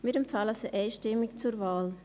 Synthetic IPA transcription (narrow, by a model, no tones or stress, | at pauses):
mɪɾɛmfaləsəʔɛɪʃtɪmɪkt͡suɾvaːl